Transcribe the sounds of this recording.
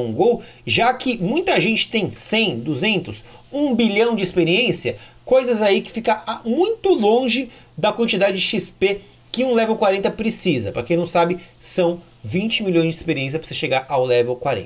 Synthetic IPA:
ũɡow | ʒakɪmũj̃t̪ɐʒẽnt͡ʃɪ̥t̪ẽj̃sẽj̃d̪uzẽnt̪ʊs | ũbiʎɐ̃w̃d͡ʒɪispeɾiẽsjɐ | kojzɐzaikɪ̥fikɐamũj̃t̪ʊlõʒɪ | d̪ɐkwɐ̃nt͡ʃid̪ad͡ʒɪd͡ʒɪʃispe | kɪũlɛvewkwaɾẽnt̪ɐpɾɪsizɐpɾɐkẽnɐ̃w̃sabɪsɐ̃w̃ | vĩnt͡ʃɪmiʎõj̃zd͡ʒɪispeɾiẽs̬jɐpɾɐseʃeɡaɾawlɛvewkwaɾḛ̃ɐ

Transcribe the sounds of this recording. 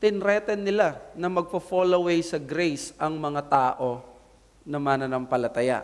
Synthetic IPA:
t̪ɪnɾɛːt̪ɛnːɪlanɐmɐɡ̚pɐfolowejsɐɡɾejsʔɐŋmɐŋat̪aːʔo̞ | nɐmanɐnɐmpɐlɐt̪ɐja̰

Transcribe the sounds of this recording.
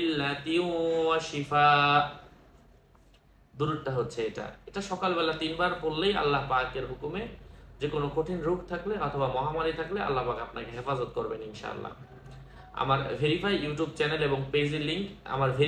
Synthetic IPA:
lːat̪iuaʃifa | d̪uɾuɾʈaɦotːɕʰeeʈa̰eʈaʃɔkalbɛlat̪inbaɾpoɾːeja̰lːaɦpakeɾɦukumed͡ʑekonokoʈʰinɾukʰt̪ʰakleɔt̪ʰobamɔɦamaɾit̪ʰaklea̰lːaɦpakapnakeɦefazot̪̚koɾbeninʃa̰a̰lːa̰ | a̰maɾvʱeɾifajjuʈjub̚t͡ɕɛneleboŋped͡ʑilːiŋka̰maɾvʱe

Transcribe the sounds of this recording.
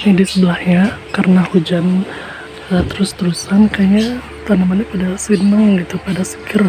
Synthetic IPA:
nidisəbəlahɲakarənahud͡ʒan | ət̪əɾʊst̪əɾusankaja | t̪anamanapadasinaŋɡit̪upadasə̥kir

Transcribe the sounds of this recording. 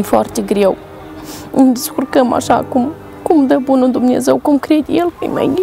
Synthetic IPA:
fɔɾt̪ʲiɡɾew | ind̪iskuɾkɐma̰ʃa̰kum | kumd̪ɐbunud̪umnezewkumkɾed̪ʲielkɐ̰jmɐ̰ji

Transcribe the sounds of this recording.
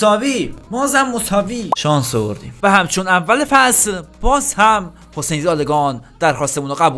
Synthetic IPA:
sɒːviːbɒːzæmːosɒːviːʃɒːnsovo̰ɾd̪ḭːmvæhæmt͡ʃʰonævːælefæslb̥ɒːzhæm | hosejnzɒːleɡɒːnd̪̥æɾxɒːst̪emunɑɣæbuː

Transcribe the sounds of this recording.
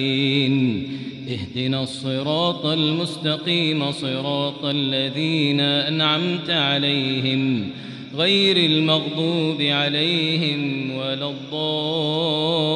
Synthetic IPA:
n | ʔɪhd̪ɪnasˤːɨɾˤɑːt̪ˤalmʊst̪ɑqiːmasˤɨɾˤɑːt̪ˤʔalːaðiːnaʔanʕamt̪ʕalajhɪm | ɣajɾalmɑɣd̪ˤuːbɪʕalajhɪmwalɑd̪ˤːɑː

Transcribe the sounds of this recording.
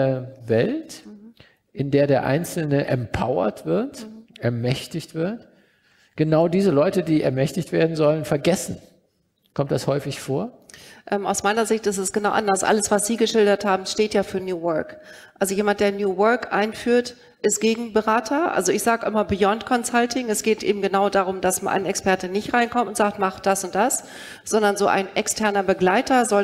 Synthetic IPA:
ɐvɛlt | ʔɪndeːɐɾeːɐʔa̰ɪnt͡sl̩nəʔɛmpʰa̰ʊɐ̰tv̥ɪɐtʔɛɐmɛçtɪçtv̥ɪɐt | ɡ̥ənaʊdiːzəlɔʏtədiːʔɛ̰ɐmɛçtɪçtv̥eːɐdn̩zɔlənfɛɐɡɛsn̩ | kʰɔmt̚d̥ashɔʏfɪçfoːɐʔɛːma̰ʊsmaɪnɐzɪçtɪstɛsɡ̥ənaʊʔa̰ndɐsʔa̰ləsv̥asz̥iːɡəʃɪldɐthaːbm̩ʃteːtjaːfyːɐnjuːwœɐkʔalzojeːmant̚d̥eːɐnjuːwœɐkʔa̰ɪnfyːɐt | ʔɪstɡ̥eːɡŋ̩bəʁaːtʰɐʔa̰lzoɪçz̥aːɡəʔɪmɐbijɔntkʰɔnsaltʰɪŋɛsɡ̥eːtʔḛːbm̩ɡənaʊdaːʁʊmdasmanʔa̰ɪnɛkspɛɐtənɪçtʁaɪnkʰɔmtʊntz̥aːk̚tmaχd̥asʊnt̚d̥as | z̥ɔndɐnzoːʔa̰ɪnʔɛkstʰɛɐnɐbəɡlaɪtʰɐzɔ

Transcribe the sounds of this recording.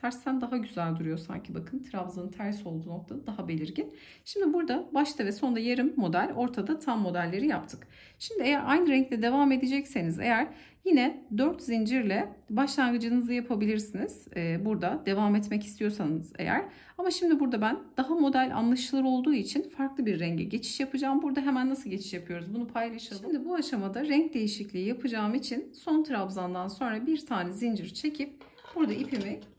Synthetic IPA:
t̪ʰæɾsːænd̪aɦaɟyzælʲd̪uɾujo̞sa̰ɲcʰibakʰɯnt̪ʰɾavzɯnt̪ʰæɾso̞lˠd̪uːno̞k̚t̪ʰad̪ad̪aɦabe̞lʲiɾɟin | ʃimd̪ibuɾd̪abaʃt̪ʰɯvɛso̞nd̪ajaɾɯmːo̞d̪ælʲo̞ɾt̪ʰad̪at̪ʰamːo̞d̪ælʲːe̞ɾijapt̪ʰɯ̥k | ʃimd̪ɪejæɾʔajnɯɾɛɲct̪ʰɛd̪e̞vaːme̞d̪ed͡ʒɛcse̞nizḛjæɾ | jinɛd̪øɾt̪zind͡ʒiɾlʲɛbaʃlˠanɡɯd͡ʒɯnɯzajapʰabilʲiɾsiniz̥ːbuɾd̪ad̪e̞vaːmɛt̪mɛci̥st̪ʰijo̞sanɯzḛjæ̰ɾ̥ | amaʃimd̪ibuɾd̪abænd̪̥aɦamo̞d̪ælʲʔa̰nlˠaʃɯlˠɯɾo̞lˠd̪uːit͡ʃʰinfaɾklˠɯbiɾːɛɲɟɛ̰ɟe̞t͡ʃʰi̥ʃjapɯd͡ʒaːmbuɾd̪aɦe̞mænːasɯlˠɟe̞t͡ʃʰi̥ʃjapʰɯjo̞ɾuzbunupʰajlˠaʃalʃˠimd̪ibuaʃamad̪aɾɛɲc̚d̪e̞jiʃiclʲiːjapʰɯd͡ʒaːmit͡ʃʰinso̞nt̪ʰɾabzand̪anso̞nɾabiɾt̪ʰaːnɛzind͡ʒiɾt͡ʃʰe̞cʰip̚ | b̥uɾd̪aipʰimɛc

